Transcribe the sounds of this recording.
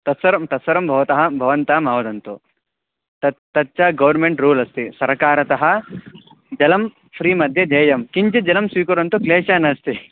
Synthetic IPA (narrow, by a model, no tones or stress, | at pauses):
t̪ɐt̪sʋɐɾɐmt̪ɐsɐɾɐmbʱɐʋɐt̪ɐɦɐbʱɐʋɐnt̪aːmɐːʋɐt̪ɐnt̪u | t̪ɐt̪ːɐtːt͡ʃaːɡɐʋɐɾmeɳʈɾuːlɐst̪isɐɾkaːɾɐt̪ɐɦɐ̆ | d͡ʒɐlɐm | pʰɾiːmɐd̪ʱjɐd͡ʒɐːjɐmkiɲt͡ʃɐd͡ʒɐlɐmsiːkɐɾɐnt̪ukleːʃaːnɐst̪i